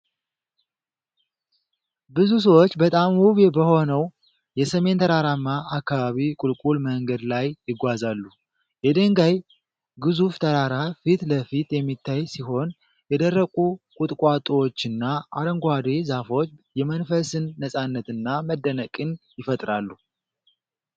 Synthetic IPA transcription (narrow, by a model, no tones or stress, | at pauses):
bɨzus̬əwo̞t͡ʃːbət̪ʼamwuβebəho̞nəw | jɛsəme̞nt̪ʰəɾaɾamːaʔakːaβaβikʼulkʼulməŋɡəd̪lajjɪɡʷazalːu | jɛd̪əŋɡaj | ɡɨzuft̪ʰəɾaɾafit̪ləfit̪jɛmːit̪ːajsiɦo̞n | jɛd̪ərːəkʼukʼut̪ʼkʼat̪ʼwot͡ʃːɨnːaaɾəŋɡʷad̪ezafo̞t͡ʃːjɛmənfəsɨnːəsʼanːət̪ɨnːaməd̪ːənəkʼɨnjɪfət̪ʼɾalːu